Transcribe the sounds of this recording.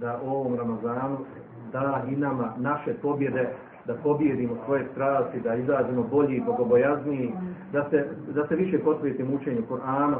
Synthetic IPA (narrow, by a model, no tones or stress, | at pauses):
d̪aʔo̞ʋo̞mɾamazaːnu | d̪aːinamanaʃe̞po̞bje̞d̪e̞ | d̪apo̞bje̞d̪iːmosʋo̞je̞st̪ɾaːsid̪aizaːzimo̞bo̞ʎibo̞ɡo̞bo̞jaznijid̪ased̪ase̞ʋiʃe̞po̞t̪ɾeːt̪iːmut͡ʃeːɲukuɾʔaːna